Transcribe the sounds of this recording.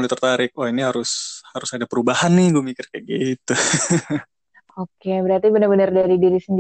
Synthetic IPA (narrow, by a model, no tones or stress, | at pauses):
dut̪ərt̪aɾɪk̚wainiɦaɾʊshaɾʊsadapəɾubahanːɪhɡuamikɪrkəɡiit̪u | okebəɾart̪ibənarbənardaɾidiɾisəndi